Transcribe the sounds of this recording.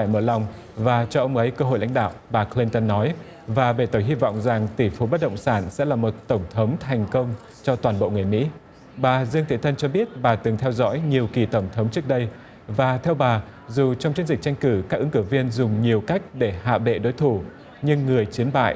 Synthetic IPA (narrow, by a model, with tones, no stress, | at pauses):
faː˧˩jməː˧˩la˨˩wŋ͡m | vaː˨˩t͡ɕɔ˧ʔə˧wŋ͡mʔə˨˦jkəː˧ɦo̰˧˨jla̰˧˥ŋ̟ɗa̰ː˧˨wɓaː˨˩kli˧nt̪ə˧nːɔ˨˦j | vaː˨˩ɓe˧˩t̪o˧˩jɦi˧vɔ̰˧˨wŋ͡mza˨˩ŋt̪i˧˩fu˨˦ɓə˦˥t̚ɗə̰˧˨wŋ͡msaː˧˩nsɛ̰˧˥laː˨˩mo˨˩t̚t̪ə˧˩wŋ͡mt̪ʰə˨˦wŋ͡mt̪ʰa˨˩jŋ̟kə˧wŋ͡m | t͡ɕɔ˧t̪waː˨˩nɓo̰˧˨ŋɨ˨˩əjmḭ˧˥ | ɓaː˨˩zɨ˧əŋt̪ʰi˧˨˦t̪ʰə˧nt͡ɕɔ˧ɓi˦˥ət̚ɓaː˨˩t̪ɨ˨˩ŋt̪ʰɛ˧wzɔ̰˧˥jɲi˨˩əwki˨˩t̪ə˧˩wŋ͡mt̪ʰə˨˦wŋ͡mt͡ɕɨ˦˥ək̚ɗə˧j | vaː˨˩t̪ʰɛ˧wɓaː˨˩ | zu˨˩t͡ɕɔ˧ŋ͡mt͡ɕi˧ənzi̟˨˩t͡ɕa˧jŋ̟kɨ˧˩kaː˦˥k̚ʔɨ˨˦ŋkɨ˧˩vi˧ənzʊ˨˩ŋ͡mɲi˨˩əwka˦˥jk̟̚ɗe˧˩ha̰ː˧˨ɓḛ˧˨ɗo˨˦jt̪ʰu˧˩ | ɲɨ˧ŋːɨ˨˩əjt͡ɕi˨˦nɓa̰ː˧˨jʔ